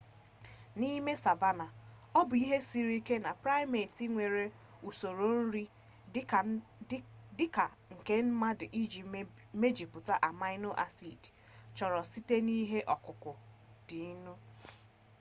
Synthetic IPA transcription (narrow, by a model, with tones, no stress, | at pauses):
ni˦me˦sa˨va˦na˨ | ɔ˦bʊ˨i˦ɦe˦si˨ɾi˦ke˦na˨pɾa˦ɪ˦me˨ti˦ŋʷe˨ɾe˨ | u˨so˨ɾo˦n̩˦ɾi˦ | dɪ˦ka˨ | ŋ̩˨ke˦m̩˦ma˦dɪ˨ʔi˦d͡ʒi˨ | me˦d͡ʒi˨pʊ˨ta˦ʔa˨ma˦ɪ˦no˦ʔa˨si˨d | t͡ʃɔ˨ɾɔ˨si˦te˦ni˦ɦe˦ʔɔ˨kʊ˨kʊ˨ | d̥ɪ˨˦nʊ˦